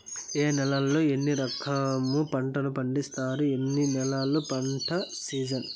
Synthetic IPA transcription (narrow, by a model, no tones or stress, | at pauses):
e̞ːnɛlɐlːo̞ːe̞nːiɾɐkʰɐmːupɐɳʈɐnupɐɳɖist̪aːɾue̞nːinɛlaːlupɐɳʈʰɐsiːd͡ʒɐn